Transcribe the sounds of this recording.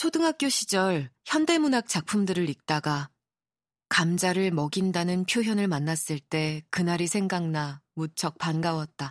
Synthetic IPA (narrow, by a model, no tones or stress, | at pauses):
t͡ɕʰodɯŋɦak̚k͈joɕʰid͡ʑʌɭçjʌnde̞munɦak̚t͡ɕ͈ak̚pʰumdɯɾɯɾik̚t͈aɡa | kamd͡ʑaɾɯɭmʌɡindanɯnpʰjoɦjʌnɯɭmanːas͈ɯɭt͈e̞kɯnaɾisʰe̞ŋɡaŋnamut͡ɕʰʌk̚panɡawʌt̚t͈a